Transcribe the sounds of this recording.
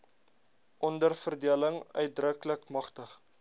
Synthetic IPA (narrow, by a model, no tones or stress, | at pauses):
ʔɔndərfərdiələŋœ̰ɥt̚drəkləkmɐχtəχ